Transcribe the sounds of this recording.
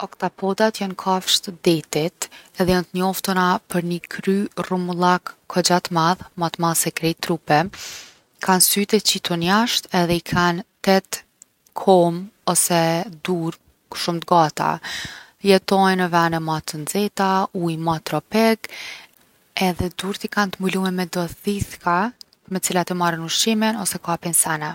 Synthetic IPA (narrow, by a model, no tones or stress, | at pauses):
ɔkt̪apʰɔd̪at̪jankʰafʃt̪əd̪ɛt̪it̪ɛðɛjant̪əɲɔft̪ənapəɾnikʰɾyrumlˠakʰːɔd͡ʑat̪maðmat̪maðsɛkɾɛt̪ɾupɛ | kʰansyt̪ɛt͡ɕit̪ɔnjaʃt̪ɛðɛikʰant̪ɛt̪ | kʰɔmɔsɛd̪uɾ | kʃumt̪ɡat̪a̰ | jɛt̪ɔjnəvanɛmat̪ənd͡zɛt̪aujmat̪ɾɔpɛɡ | ɛðɛd̪uɾt̪ikant̪əmbulumɛmɛd̪ɔðiθka | mɛt͡silat̪imaɾənuʃiminɔsɛkapinsanɛ